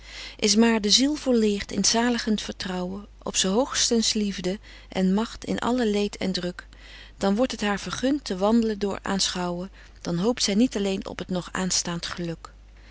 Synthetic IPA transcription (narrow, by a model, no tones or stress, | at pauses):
ʔɪs̬maːɹdəzilˠvʊːɹlɪːχtɪnz̥aːləχəntfəɹtrɑwə | ʔɔ̰psəɦowχstənslivdə | ʔɛ̰nmɑχtɪ̰nʔɑ̰ləlejtʰɛ̰ndrɵk | d̥ɑnʋɔɹtɦətɦaːɹv̥əɹχʏntəʋɑndələndʊːɹa̰ːnsχɑwə | d̥ɑnɦowp̚tsɛjnitɑlejnɔ̰pɦətnɔχa̰ːnstaːntχəlɵk